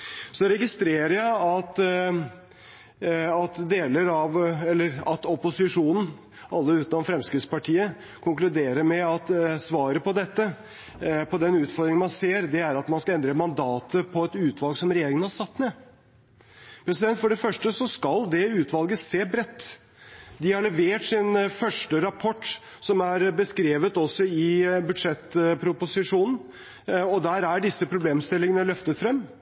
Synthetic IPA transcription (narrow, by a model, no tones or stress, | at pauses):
sɔɾɛɡɪst̪ɾeːɾəjæɪɑt̪ | ɑt̪d̪eːləɾɑʋɛlːəɾɑt̪ɔpʊsɪʂuːnn̩ | ʔɑlːəʉːt̪nɔmfɾɛmskɾɪt̪spɑʈʰiːə | kʰʊŋklʉd̪eːɾəɾmɛɑt̪sʋɑːɾəpɔd̪ɛt̪ːə | pʰɔd̪ɛnʉːt̪fɔɾd̪ɾɪŋnmɑnseːɾd̪ɛæɾɑt̪mɑnskɑɛnd̪ɾəmɑnd̪ɑːt̪əpʰɔɛt̪ʉːt̪ʰʋɑlɡsɔmɾɛjeːɾɪŋənhɑʂɑt̪ːmɛ | pʰɾɛsɪd̪ɛnt̪fɔɖɛfœʂʈəsɔskɑld̪ɛʉːt̪ʋɑlɡəseːbɾɛt̪ː | d̪ɪhɑɭɛʋeːʈsɪnfœʂʈəɾɑpʰɔʈː | sɔmæɾbəskɾeːʋət̪ɔsɔɪbʉd̪ʂɛt̪ːpʰɾʊpʊsɪʂuːnn̩ | ɔd̪æːɾæɖɪsːəpʰɾʊbleːmst̪ɪlːɪŋənəlœft̪ət̪fɾɛmː